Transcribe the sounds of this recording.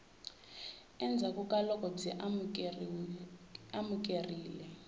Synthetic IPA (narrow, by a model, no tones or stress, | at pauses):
ɛnd͡zʱakʼukʼalɔkʼɔd͡zʱɛʔ | amuk̬ʼeriːlɛ